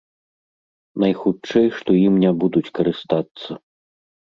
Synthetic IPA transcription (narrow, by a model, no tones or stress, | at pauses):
nɐjxut͡ʂɛjʂt̪ɔjimnʲɛbud̪ut͡sʲkɐɾɨst̪at̪sːɐ